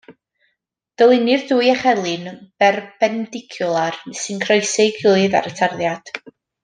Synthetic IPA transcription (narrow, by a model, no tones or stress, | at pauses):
d̥əlˠɪnɨrduːjaχɛlˠɨnb̥ɛrbɛndɪkʰjulˠarsɨnkʰrɔjseɡɪlˠɨða̰ɾətʰarðjad̥